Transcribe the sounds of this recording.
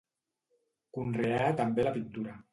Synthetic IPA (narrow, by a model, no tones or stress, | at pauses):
kunreat̪ambelapint̪uɾa